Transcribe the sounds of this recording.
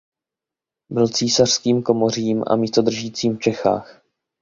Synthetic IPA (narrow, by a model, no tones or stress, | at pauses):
bɪlt͡siːsar̥skiːmko̞mo̞r̝iːmʔa̰miːst̪o̞d̪r̩ʒiːt͡siːmft͡ʃɛxa̰ːx